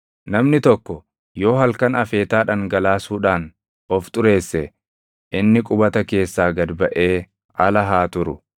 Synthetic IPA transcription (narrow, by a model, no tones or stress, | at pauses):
nɐmnɪt̪ɔkːɔ | jo̞ːɦɐlkɐnɐfe̞ːt̪aːᶑɐŋɡɐlaːsuːᶑaːn | ɔft̪ʼʊɾe̞ːsːɛ | ʔɪnːɪkʼʊbɐt̪ɐke̞ːsːaːɡɐd̪bɐʔe̞ː | ɐlɐɦaːt̪ʊɾʊ